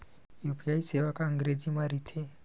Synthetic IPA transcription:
juːpʰijaiseʋakaə̃ŋɡɾed͡ʒimaɾit̪ʰe

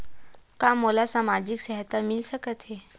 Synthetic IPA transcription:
kamolasamad͡ʑiksəɦət̪amilsəkət̪ɦe

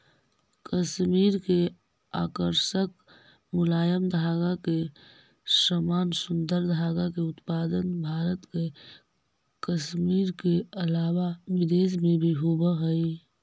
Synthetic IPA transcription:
kəʃmiːɾke | a̰ːkəɾsək | mʊlaːjəmd̪ʱaːɡake | səmaːnsʊnd̪əɾd̪ʱaːɡakeʊt̪paːd̪ənbʱaːɾət̪ke | kəsmiːɾkeəlaːwaʋɪd̪eːs̬mẽbʱiɦobəɦəi

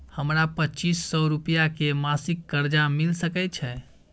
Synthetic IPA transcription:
həmɾapətːt͡ʃiːsːɔɾupijakemasikːəɾd͡ʒamilsəkɛt͡ʃʰɛ

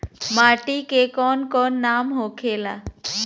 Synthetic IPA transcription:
maːʈikekɔnkɔːnːaːmɦokʰela

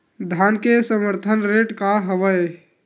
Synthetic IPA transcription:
d̪ʱankesəməɾt̪ʰənɾeʈkaɦəʋəj

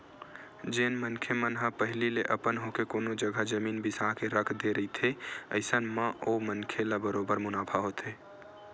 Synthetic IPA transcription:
d͡ʒeːnmənkʰemənɦapəɦlileʔəpənɦokekoːnod͡ʒəɡʱəd͡ʒəmiːnbɪsaɦkeɾəkʰd̪eɾəɦit̪ʰeəɪsənmãʔomənkʰelabəɾobəɾmʊnapʰaɦot̪ʰe

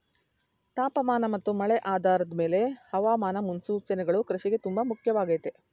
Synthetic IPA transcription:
t̪aːpɐmaːnɐmɐt̪ːumɐɭɛʔaːd̪ʱaːɾɐd̪ɐme̞ːle̞hɐʋaːmaːnɐmunsuːt͡ʃɐnɛɡɐɭukɾɐʃiɡe̞t̪umbɐmukʰjɐʋaːɡɐjt̪e

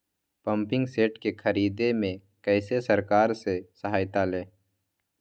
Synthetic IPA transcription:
pɐ̃mpɪ̃ŋɡseːʈkekʰɐɾiːd̪emẽ | kɛːsesɐɾkaːɾsesəɦaːjt̪aleː

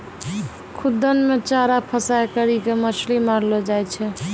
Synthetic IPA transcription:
kʰud̪ːənmet͡ʃaɾapʰəsajkəɾikeməslimaɾlɔd͡ʒajt͡ʃʰɛ

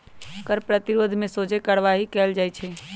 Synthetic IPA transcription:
kəɾpɾət̪iɾoːd̪ʱmẽsoːd͡ʒekəɽʋaɦikɛːld͡ʒajt͡ʃʰe

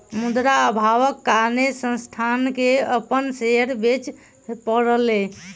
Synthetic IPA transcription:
mud̪ɾaəbʱaʋəkːaɾnesə̃st̪ʰankeəpənseəɾbet͡ʃ | pəɽəle

